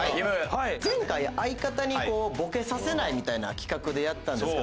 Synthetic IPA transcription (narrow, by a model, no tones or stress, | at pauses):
zẽ̞ŋkaiaikat̪aɲ̟iko̞ːbo̞ke̞sase̞naimʲit̪aina̰kʲi̥kakɯ̟d̪e̞jat̪ːãndeske